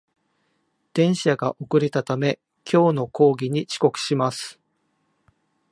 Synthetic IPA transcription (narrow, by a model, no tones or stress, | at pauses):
d̪̥ẽ̞ɰ̃ɕaɡaʔo̞kɯ̟ɾet̪at̪ame̞ | kʲʰo̞ːno̞ko̞ːɡʲiɲ̟it͡ɕi̥ko̞kɯ̟̥ɕimasɨ̥